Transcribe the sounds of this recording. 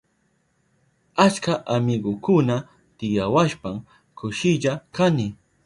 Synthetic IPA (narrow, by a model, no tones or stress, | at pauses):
at͡ʃkaʔamɪɡokʊna | t̪ɪjawaʃpam | kʊʃɪʎakanɪ